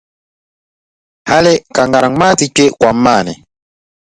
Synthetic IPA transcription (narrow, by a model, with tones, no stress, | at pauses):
ha˦lɛ˦ka˨ŋɡa˨ɾa˨ŋ˦ma˦ti˨t͡ʃe˦kwa˨˦ma˦˨nɛ̰˨